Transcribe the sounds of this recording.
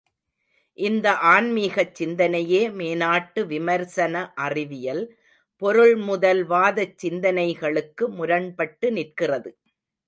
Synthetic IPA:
ʔɪnd̪ɐʔaːɳmiːɣɐt͡ʃːɪnd̪ɐnɐjeːmeːnaːʈːɯʋɪmɐɾsɐnɐʔɐrɪʋɪjɐl | pɔɾɯɭmʊðɐlʋaːðɐt͡ʃːɪnd̪ɐnɐɪɣɐɭɯkːɯmʊɾɐɳpɐʈːɯnɪrkɪrɐðɯ

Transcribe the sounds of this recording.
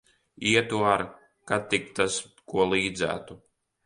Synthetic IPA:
iɛt̪uaɾ | kat̪ikt̪as | kuɔlˠiːd̪zæ̰ːt̪u

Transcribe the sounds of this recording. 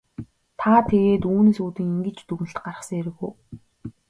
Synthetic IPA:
t̪ʰat̪ʰeɣeːt̪uːneːsuːt̪ĭŋiŋɡɘ̆t͡ɕt̪ɵɣn̆ɬt̪ɢarə̆χsə̆ŋeɾɘ̆ɣuː

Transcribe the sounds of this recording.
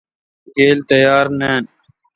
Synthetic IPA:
ɡeːlt̪əjaːɾneːn

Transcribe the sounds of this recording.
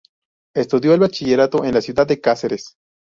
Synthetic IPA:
e̞st̪uðjo̞elβat͡ʃiʝeɾat̪oʔenlasjuðad̪ːekaseɾes

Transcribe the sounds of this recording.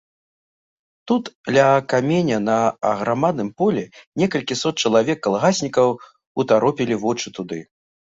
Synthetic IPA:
t̪ut̪d̪lʲɐkamʲɛnʲɐnɐɐɣɾamad̪̚nɨmpɔlʲɛnʲɛkɐlʲkʲisɔt̪̚t͡ʃt͡ʂɐlˠavʲɛkːɐlˠɣasʲnʲikɐw | ut̪aɾɔpʲilʲivɔt͡ʂɨt̪ud̪ɨ

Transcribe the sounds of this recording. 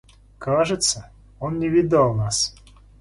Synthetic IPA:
kaʐɨt̪sə | onnʲɪvʲɪd̪alˠnas

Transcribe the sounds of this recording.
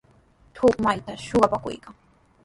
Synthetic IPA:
t̪ʰʊkmajt̪aʃoɢɑpakʊ̰jkaŋ

